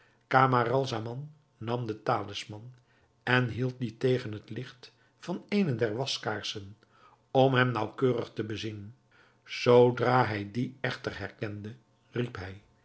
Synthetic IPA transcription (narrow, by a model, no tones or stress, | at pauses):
kaːmarɑlˠzamɑnː | ɑmdətaːləsmɑn | ɛnɦilˠt̚ditejχənɦətlɪχt | fɑnejnədɛɹʋɑskaːɹsən | ɔmɦɛmnɑwkøːrəχtəbəzin | z̥owdraːɦɛjdiɛχtərɦɛɹkɛndə | ripɦɛj